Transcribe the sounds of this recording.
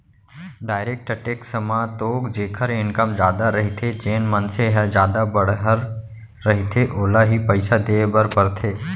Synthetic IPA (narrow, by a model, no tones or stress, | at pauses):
ɖaːɪɾeːk̚ʈəʈeːksəmãːt̪oːɡd͡ʒeːkʰəɾɪnkəmd͡ʒjaːd̪aɾɐɦit̪ʰed͡ʒeːnmənseɦɛd͡ʒjaːd̪abɐɽɦəɾː | ɐɦit̪ʰeʔoːlaɦipəɪsad̪eːbəɾpəɾt̪ʰeː